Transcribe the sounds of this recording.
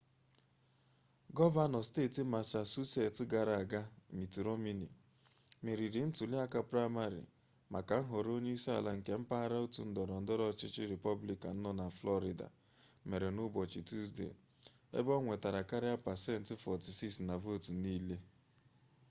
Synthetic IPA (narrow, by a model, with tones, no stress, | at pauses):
ɡɔ˦va˦nɔ˨steː˦˨ti˨ma˨t͡ʃa˨su˦se˨tɪ˦ɡa˨ɾa˨a˨ɡa˦mi˨ti˨ɾo˦mi˦nḭ˨ | me˨ɾi˨ɾɪ˨˦n̩˦tu˨lɪ˦a˦ka˦pɾa˦ma˦ɾḭ˨ | ma˨ka˨˦ɦo˨ɾo˦ɲe˦i˦sa̰˨la˦ŋ̩˨ke˦m̩˦pa˦ɾa˦o˦tu˨n̩˦dɔ˨ɾɔ˨n̩˨dɔ˦ɾɔ˦˨t͡ʃɪ˦t͡ʃɪ˦ɾe˨pɔ˦bli˨ka̰˨n̩˦nɔ˦na˨flɔ˦ɾi˨da̰˨ | me˨ɾe˨nʊ˦bɔ˨t͡ʃi˨tu˦zdḛ˨ | ḛ˦bɔ˦ŋʷe˨ta˨ɾa˨ka˦ɾɪ˦a˦pa˨se˦n̩˦tɪ˦fɔ˨ti˨si˦ksna˨vo˦˨tu˨niː˦le˦